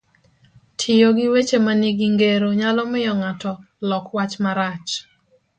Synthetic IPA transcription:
tʰɪjoɡɪwet͡ʃemaniɡiŋɡeɾoɲalɔmɪjɔŋatɔ | lɔkwat͡ʃmaɾat͡ʃ

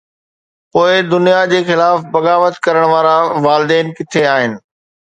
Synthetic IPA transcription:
poːɪd̪ʊnijad͡ʑeːxɪlaːfbɐɣaːʋət̪kɐɾəɽ̃ʋaːɾaʋaːlɪd̪ɛːnkɪt̪ʰeaːɦɪnɪ̆

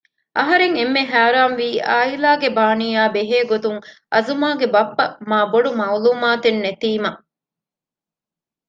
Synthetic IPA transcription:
ʔɐɦɐɾeŋemːeɦæːɾaːnʋiːʔaːilaːɡebaːnijaːbeɦeːɡot̪uŋʔɐzumaːɡebɐpːɐmaːboɖumɐuluːmaːt̪enːet̪iːmɐ

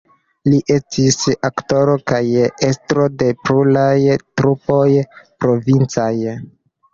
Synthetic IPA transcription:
liʔe̞stisakto̞ɾo̞kaje̞stɾo̞de̞pɾulajtɾupo̞jpɾo̞vint͡saj

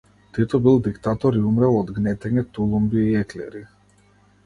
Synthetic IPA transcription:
t̪ɛt̪ɔbilˠd̪ikt̪at̪ɔɾiumɾɛlˠɔd̪ɡnɛt̪ɛɲɛt̪ulˠumbiːɛklɛ̰ɾi

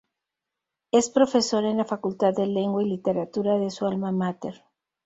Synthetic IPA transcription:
e̞spɾo̞fe̞so̞ɾenlafakult̪aððele̞ŋɡwailit̪e̞ɾat̪uɾaðesualmamat̪eɾ

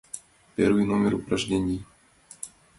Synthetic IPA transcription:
pɛ̰ɾuinomɪɾupɾaʒɟɛɲiː

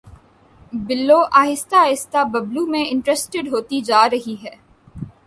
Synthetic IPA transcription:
bɪlːoːʔaːɦɪst̪aːɦɪst̪abɐblumẽɪ̃ɳʈɾɛsʈɪɖɦoːt̪id͡ʒaːɾɐɦiɦɛː

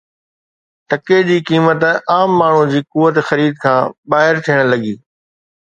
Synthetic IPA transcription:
t̪ɐked͡ʑiːkiːmət̪aːmːaːɳ̤ũd͡ʑiːkuʋːət̪xɐɾiːd̪̚kʰãːbaːɦɪɾt̪ʰijəɽ̃lɐɠiː

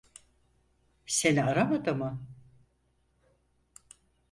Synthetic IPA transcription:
seniaɾamad̪ɯmɯ

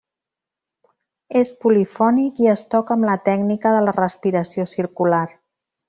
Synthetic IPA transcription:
espulifɔnikiəst̪ɔkəmlət̪ɛɡnikəðələrəspiɾəsiosiɾkular

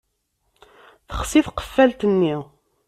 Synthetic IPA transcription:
θəχsiθqə̥fːælt̪ənːi

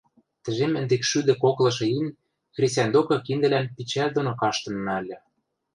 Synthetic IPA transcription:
t̪ɘ̆ʒemə̆nd̪ekʃyd̪ɘ̆koklɤ̆ʃɤ̆in | xrʲisʲænd̪okɤ̆kind̪ɘ̆lænpit͡ɕælʲd̪onokɑʃt̪ɤ̆nmælʲːɘ̆

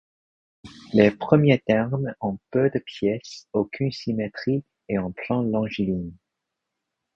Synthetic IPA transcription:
lepχəmjet̪ɛʁmɑ̃pød̪əpjɛsokʰynsimet̪χi | eɑ̃plɑ̃lɑ̃ʒilin

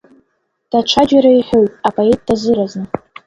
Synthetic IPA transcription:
d̥aʈ͡ʂʷʰad͡ʒaɾaiħʲᶣojtʼapʰʼaet̚ʼdazɨɾaznɨ

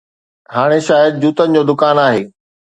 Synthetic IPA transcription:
haːɽ̃eʃaːjəd̪̚d͡ʑuːt̪ənɪ̆d͡ʑoːd̪ʊkaːnaːɦeː

